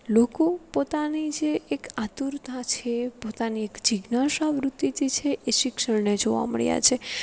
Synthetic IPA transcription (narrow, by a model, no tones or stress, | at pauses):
lokopot̪anid͡ʒeːkat̪uɾt̪at͡ʃʰepot̪aniekd͡ʒiɡnaʃaʋɾut̪ːit̪it͡ʃʰeʔeʃɪkʃəɽned͡ʒoʋa̰mə̰ɭja̰t͡ʃʰe